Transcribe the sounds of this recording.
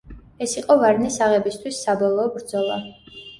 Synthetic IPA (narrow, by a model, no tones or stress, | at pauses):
ɛsiqʼɔvaɾnisaʁɛbist̪ʰwisːabɔlˠɔːbɾd̪zɔlˠa